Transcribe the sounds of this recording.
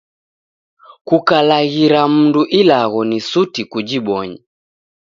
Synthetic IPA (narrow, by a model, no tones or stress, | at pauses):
kukalaɣiɾam̩nduʔilaɣɔnisutikud͡ʒiɓɔɲi